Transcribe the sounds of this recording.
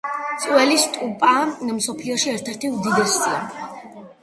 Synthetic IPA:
t̪sʼwɛlist̪ʼupʼamsɔpʰliɔʃiɛɾt̪ʰɛɾt̪ʰiumd̪id̪ɛst̪sʼia

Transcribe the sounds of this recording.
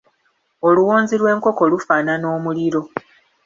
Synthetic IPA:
o̞luwoːnzilwe̞ːŋko̞ko̞lufaːnano̞ːmuliɾo̞

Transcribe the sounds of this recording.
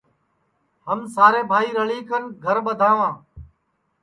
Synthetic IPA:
ɦəmsaːɾeːbʱaːiːɾəɭiːkənɡʱəɾɓəd̪ʱaːʋãː

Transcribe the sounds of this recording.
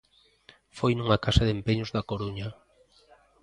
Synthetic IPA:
fojnuŋakasɐðempeɲozðɐkoɾuɲa

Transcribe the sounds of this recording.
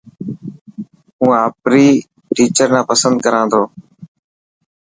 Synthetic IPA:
ũːaːpɾiː | ʈiːt͡ʃəɾnãːpəsənd̪kəɾãːnd̪ʱoː

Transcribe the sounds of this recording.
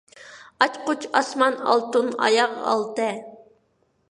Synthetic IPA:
ɑt͡ʃqʊt͡ʃʰɑsmɑnɑ̰lˠt̪unɑ̰jɑʁɑ̰lˠt̪ɛ

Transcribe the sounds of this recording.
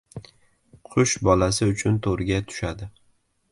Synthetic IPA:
qʰʊʃbɒlas̬ɪʊt͡ʃʰʊnt̪ʰoɾɪɡʲat̪ʰʊ̥ʃad̪ɪ

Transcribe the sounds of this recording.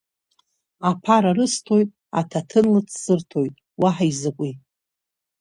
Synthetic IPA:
apʰaɾarɨstʰo̞jtʼ | a̰tʰatʰɨnlɨt͡sʰsɨrtʰojtʼ | waħaizɨkʷʼi

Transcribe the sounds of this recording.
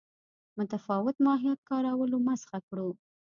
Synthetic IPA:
mʊt̪afɑwɪt̪mɑɦijɑt̪̚kɑɾawəlomasxakɽu

